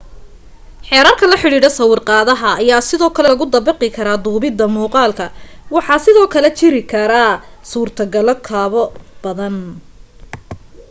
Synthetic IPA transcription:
ħɛːɾaːrkʰɐlɐħɪɽiːɽɐsɐwɪrqɑːðɐɦɐːjaːsɪðɔːkʰɐlɛɐɣʊd̪ɐbɪqɪkʰɐɾaːd̪uːbɪd̪ɐmuːqɑːlkʰɐwɑħɑːsɪðɔːkʰɐlɛt͡ʃɪɾɪkʰɐɾɐsuːrt̪ʰɐɡɐlɔkʰaːβɔb̥ɐðɐn

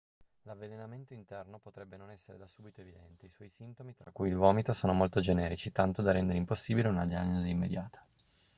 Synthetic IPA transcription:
lavːelenament̪oint̪ɛrnopot̪ɾɛbːenonɛsːeɾed̪asuːbit̪oevid̪ɛnt̪eiswɔjsint̪omit̪ɾakːujilvɔːmit̪osoːnomolt̪od͡ʒenɛːɾit͡ʃit̪ant̪od̪arɛnd̪eɾeimposːiːbileunad̪ianːoziːmːed̪jaːt̪ʰḁ

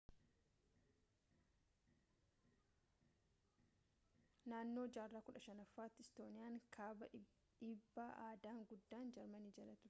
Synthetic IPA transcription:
naːnːoːd͡ʒaːrːaːkʊᶑɐʃɐnɐfːaːt̪ːɪɪst̪o̞ːnɪjaːŋkʰaːbɐ | ᶑɪbːaːʔaːd̪aːŋɡʊd̪ːaːnd͡ʒɛɾmɐniːd͡ʒɐlɐt̪ʊ

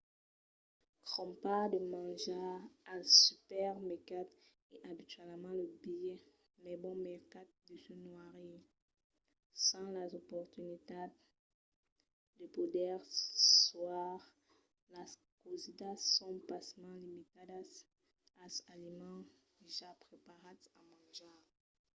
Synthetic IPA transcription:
kχɔ̃mpad̪əmɑ̃ʒaɛ̃sypɛʁmɛkat̪ | eʔabit̪ɥɛlmɑ̃ləbijɛ | mɛbɔ̃mɛʁkat̪̚d̪əsənwaʁe | sɑ̃lazopɔʁt̪ynit̪a | ləpod̪ɛʁswaʁ | la | kozid̪asɔ̃pasmɑ̃limit̪ad | asalimɑ̃deʒapχepaʁat̪amɑ̃ʒã

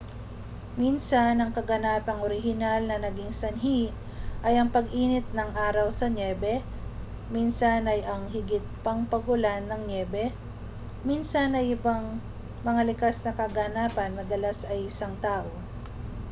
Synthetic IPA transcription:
minsɐnɐŋkɐɡɐnaːpɐŋʔoɾɪɦɪnalnɐnɐɡiŋsɐnɦi | ʔɐjɐŋpɐɡʔiːnɪt̪̚nɐŋʔaːɾɐwsɐnɛːbɛ | minsɐnʔɐjʔɐŋhɪɡɪt̪̚pɐŋpɐɡʊlanːɐŋnɛbɛ | minsɐnɐjɪbaŋ | mɐŋalɪkasnɐkɐɡanaːpɐnmɐd̪ɐlasɐjʔɪsaŋt̪aːʔo̞

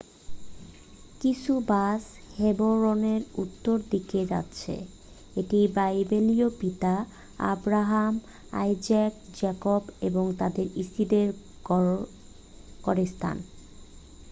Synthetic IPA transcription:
kit͡ɕʰubasheboɾoneɾut̪ːoɾd̪iked͡ʑa̰tːɕʰḛ | eʈibajbeliopit̪a | a̰bɾaɦam | a̰jd͡ʑak̚d͡ʑakobeboŋt̪ad̪eɾisid̪eɾ | kɔɾest̪ʰa̰n

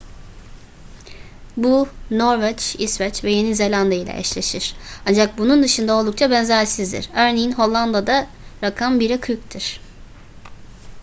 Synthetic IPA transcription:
bunoɾvɛt͡ʃisvɛt͡ʃvɛje̞nize̞lʲand̪ailʲɛ̰ɛ̰t͡ʃlʲeʃiɾ̥and͡ʒak̚bunund̪ɯʃɯnd̪ao̞lˠd̪ukt͡ʃʰabɛnzæɾsizd̪ḭɾ̥øɾnejinɦo̞lˠːand̪ad̪a | ɾakʰambiɾɛkʰɯjct̪ʰiɾ̥

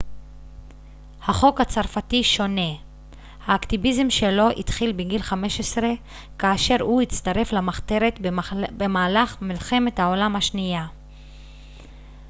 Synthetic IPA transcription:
haχo̞khat͡saʁfatiʃo̞ne̞ | haːkt̪ivizemʃe̞lo̞ʔḭt̪χilbeɡilχame̞ʃesʁe̞ | kaːʃe̞ʁhuit͡st̪aʁe̞flamaχt̪e̞ʁet̪bemaːlaχmilχe̞me̞t̪hao̞lamhaʃnija

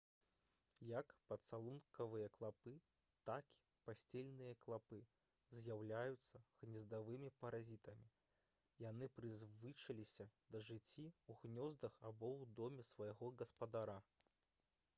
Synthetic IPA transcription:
jɐkpɐt̪salˠunkɐvɨjɐklˠapɨ | t̪aki̥ | pasʲt͡sʲelʲnɨjɐklˠapɨ | zʲjawlʲajut̪sːɐɣnʲɛzd̪avɨmʲipɐɾazʲit̪ɐmʲi | jan̪ɨpɾɨzvɨt͡ʂɐlʲisʲɐd̪ɐʐɨt͡sʲːiwɣnʲɔzd̪ɐxabɔwd̪ɔmʲɛsvɐjɣɔɡɐspɐd̪aɾa

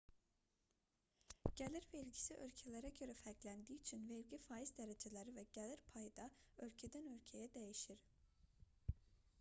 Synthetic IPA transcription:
ɟ̥elʲiɾvɛilʲɟi̥siʔølʲcʰelʲeɾɛɟøɾɛfælclʲænd̪iːyt͡ʃʰinvelʲɟifaːizd̪eɾed͡ʒelʲeɾivɛɟelʲiɾpʰajd̪aølcʰed̪ænø̞lʲcʰejɛd̪e̞jiʃiɾ̥

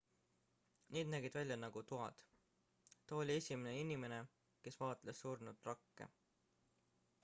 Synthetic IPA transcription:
niːd̪̚næɡ̥id̪̥vælʲjɑnɑɡ̥ut̪uɑ̰d̪̥ | t̪ɑo̞lʲie̞sʲimeneinime̞ne̞ | ke̞svɑːt̪lesːuːrnut̪rɑkːe̞̰

